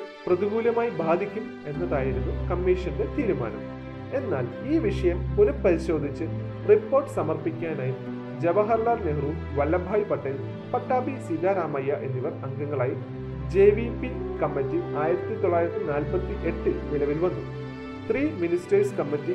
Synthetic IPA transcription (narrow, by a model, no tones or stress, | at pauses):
prɐðiɡuːlɐmaːjibʱaːd̪ʱikʲːum | e̞nːɐðaːjɐnunɨkɐmːiːʂɐnde̞t̪iːɾuma̰ːɳɐ̰m | e̞nːaːl | iːʋiʂɐjɐmunɐpːɐɾiɕo̞ːd̪ʱit͡ɕːɨ | ripːo̞ːrʈːɨ̥sɐmɐrpikʲːaːnaːji | d͡ʑeʋɐɦɐrlaːrneɦruːm | ʋɐlːɐbʱaːjipɐʈːɐji | pɐʈːaːbʱisilːaːɾaːmɐjːɐʔe̞nːiʋɐrɐŋɡɐŋːɐɭaːji | d͡ʑeːʋipːikɐmːɐtːiaːjiɾɐt̪ːit̪oɭːaːjiɾɐt̪ːinaːlpɐt̪ːiʔe̞ʈːɨnilɐʋilʋɐnːum | t̪riːministeːskɐmːɐtːi